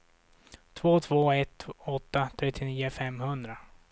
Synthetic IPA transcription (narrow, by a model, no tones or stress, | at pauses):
t̪ʰvoːt̪ʰv̥oːɛt̪ɔt̪ːat̪ʰɾɛt̪ʰːɪniːəfɛmːhɵnd̪ɾa